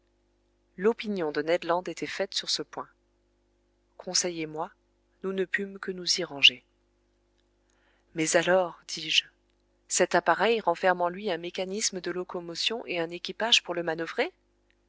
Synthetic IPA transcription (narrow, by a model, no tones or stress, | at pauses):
lɔpinjɔ̃d̪ənɛd̪lɑ̃d̪et̪ɛfɛt̪syʁsəpwɛ̃ | kʰɔ̃sɛjemwa | nunəpymkənuziʁɑ̃ʒe | mɛzalɔʁd̪̥iʒ | sɛt̪apaʁɛjʁɑ̃fɛʁmɑ̃lɥiɛ̃mekanisməd̪əlɔkɔmɔsjɔ̃ʔeɛ̃nekʲipaʒpuʁləmanəvʁe